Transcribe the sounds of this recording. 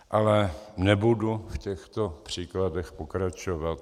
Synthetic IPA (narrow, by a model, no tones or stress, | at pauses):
ʔalɛnɛbudufcɛxt̪opr̝̥iːkladɛxpokɾat͡ʃovat̪